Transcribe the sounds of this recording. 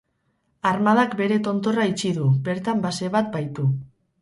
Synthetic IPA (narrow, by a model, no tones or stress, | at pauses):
aɾmað̞akbe̞ɾe̞t̪o̞nt̪o̞rait͡ʃiðube̞ɾt̪ambase̞βat̪̚bajt̪u